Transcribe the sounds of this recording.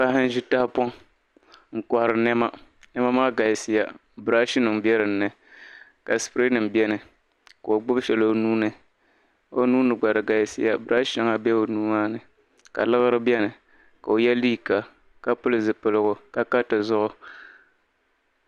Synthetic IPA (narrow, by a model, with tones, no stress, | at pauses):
a˦hɨ˦n˦ʒɪ˦ta˦hpɔ˦ŋ | ŋ̩˨ka˨hɾɨ˨nɛ˦ma˦ | nɛ˦ma˦maː˦ɡa˨jsɪ˦ja˨ | bɨ˨ɾa˦ʃɪ˦nɨ˨ŋ˦bɛ˦ɾɨ˨n̩ː˦ɨ˨ | ka˨spɾi˦nɨ˨m˨bɛ˦nɨ˨ | ka˨o˨ɡ͡bʊ˦bʃɛ˨lo˦nuː˦nɨ˨ | o˦nuː˦nɨ˨ɡ͡ba˨ɾɨ˨ɡa˨jsɪ̰˦ja˦bɾa˦ʃa˦ŋa˦bɛ˦o˨nuː˦maː˦nɨ˨ | ka̰˨lɨ˦ɣɨ˦ɾɨ˦bɛ˦nɨ˨ | ka˨o˨jɛ˦liː˦ka˨ | ka˦pʊ˦lɨ˨zɨ˨pɨ˨lɨ˨ɡʊ˨ka˦ka˦tɨ˨zʊ˦ʔʊ˦